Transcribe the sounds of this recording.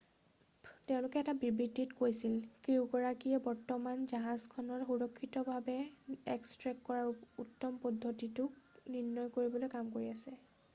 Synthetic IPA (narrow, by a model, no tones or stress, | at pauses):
teʊ̃lʊkɛɛtabibɹidʱːitkojsilkiɹuɡɔɹakijɛbɔɹtɔmanzaɦazkʰɔnɔɹxuɹɔkʰːitɔbʱabɛɛkstɹɛkːɔɹaɹutːɔmpɔdʱːotitʊkninːɔjkoɹibɔlojkamkoɹiasɛ